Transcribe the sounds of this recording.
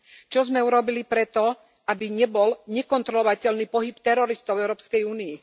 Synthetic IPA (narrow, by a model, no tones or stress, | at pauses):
t͡ʃɔzmɛuɾɔbilipɾɛt̪ɔ | abiɲɛbɔlɲɛkɔnt̪ɾɔlɔʋacɛlniːpɔɦipt̪ɛɾɔɾist̪ɔʊɛʊɾɔːpskɛjuːnii